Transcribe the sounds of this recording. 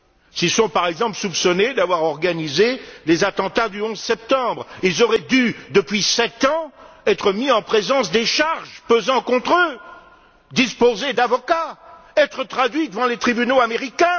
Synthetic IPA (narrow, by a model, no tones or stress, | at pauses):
sisɔ̃paʁɛɡzɑ̃pləsupsɔned̪avwaʁɔʁɡanizelezat̪ɑ̃t̪ad̪yɔ̃zsɛp̚t̪ɑ̃bʁilzɔʁɛd̪yd̪əpɥisɛt̪ɑ̃ | ɛt̪χəmiɑ̃pχezɑ̃sd̪eʃaʁʒpøzɑ̃kɔ̃t̪χø | d̪ispozed̪avɔkaɛt̪χət̪χad̪ɥid̪əvɑ̃let̪χibynoameʁikʲɛ̃